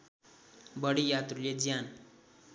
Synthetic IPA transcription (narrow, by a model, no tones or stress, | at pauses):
bəɽijat̪ɾuled͡zjan